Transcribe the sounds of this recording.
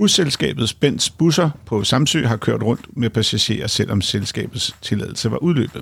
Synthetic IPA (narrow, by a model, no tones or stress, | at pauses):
uselsɡ̥ɛ̰ːb̥ð̩ˠsb̥en̰̥sb̥usɐpʰɒ̽sɑ̈msø̰ːɦɑ̈kʰøɐ̰d̥ʁɔ̽n̰d̥meæpʰæsæɕe̝̰ːɐsel̰ʔɒ̽mselsɡ̥ɛ̰ːb̥ð̩ˠst͡sʰe̝lɛ̰ðˠl̩səʋɑ̈ʔuð̞ˠlø̰ːb̥ð̩ˠ